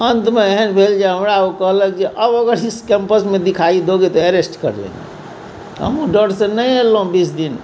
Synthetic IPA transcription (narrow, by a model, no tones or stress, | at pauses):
ənt̪meeɦənbʱeld͡ʒeɦəmɾaukəɦləkd͡ʒeʔəboɡəɾiskempəsmed̪ikʰaid̪oɡet̪ɔeɾesʈkə̰ɾlḛ̃ŋɡḛ | ə̰mũɖəɖsenəelɦũbisʰd̪in